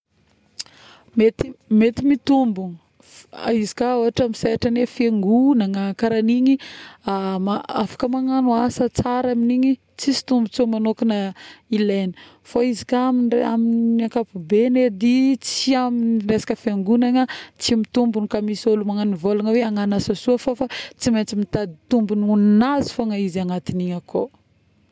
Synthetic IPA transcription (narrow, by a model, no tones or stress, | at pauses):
met̪imet̪imit̪umbun | izi̥kaoɦaʈ͡ʂamizaaʈ͡ʂanefeŋɡunaŋakaɾaniɲiamaafḁkəmaŋanuasət͡saɾaminiɲi | t͡sisi̥t̪umbut͡somanokinəilenə̥ | faizi̥kaminaminiakapubened̪it͡siaminiresḁkəfeŋɡunaŋət͡simit̪umbunikamisolumaŋanivolaŋəweaŋanasasuəfofat͡siment͡simit̪ad̪it̪umbununinazi̥faŋaizaŋat̪iniɲəko